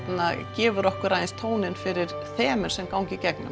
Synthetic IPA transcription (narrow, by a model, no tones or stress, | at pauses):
nacɛːvʏɾɔhkʏɾaðɪnst̪ʰoːwnɪnfɪɾɪɾ̥ | θɛːmɛɾ̥sɛmkawŋcɪcɛknʏ̰m